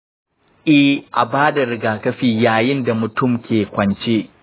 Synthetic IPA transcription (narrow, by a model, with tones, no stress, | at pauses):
ʔɪ˦hʔa˨baː˦da˨ɾɪ˨ɡaː˨kɐ˦ɸiː˨jaː˨jɪ˦nda˨mʊ˨tʊ˦˨mkʲeː˨kʷɐ˨nt͡ʃeː˦